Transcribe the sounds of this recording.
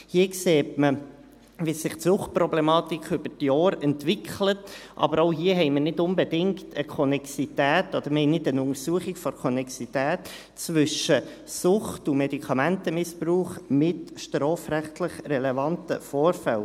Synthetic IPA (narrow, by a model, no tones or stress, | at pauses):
hiːkseːtmə | ʋisɪχtsʊχt̚prɔblɛmɑːt̪ikʰʏb̥ətjɔːɾɛntʋɪkχlətʔɑ̰bəɾoʊɦiːəɦɛɪmənɪdʊmbedɪŋktʰəkʰɔnɛksitæːtɔd̥̪əɾməhɛɪnɪdənʊŋəɾsuəχiɡfɔɾkʰɔnɛksitæːt | t͡sʋʏʃə | sʊχtumedikʰɑmæntəmɪspruːχmɪtʃtrɔːfɾæχtləχrɛlɛvɑntəfɔːɾfɛl